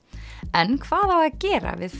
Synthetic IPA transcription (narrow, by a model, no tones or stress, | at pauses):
ɛnkʰvaːðawaðcɛːɾa̰vɪðθ